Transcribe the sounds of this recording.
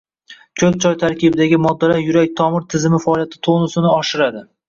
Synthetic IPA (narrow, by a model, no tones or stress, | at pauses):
kʲʰɵz̚t͡ʃʰɒjt̪ʰaɾkʲɪbɪd̪aɡʲɪmɒd̪ːalajʊɾak̚ʲt̪ʰɒmɪɾt̪ʰɪzɪmɪfaːlijat̪ʰɪ̥t̪ʰonɪsɪnɪɒʃɪɾad̪ɪ